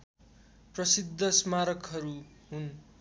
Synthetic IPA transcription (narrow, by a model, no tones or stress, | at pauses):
prʌsid̪ʱːʌsmaɾʌkɦʌɾuɦun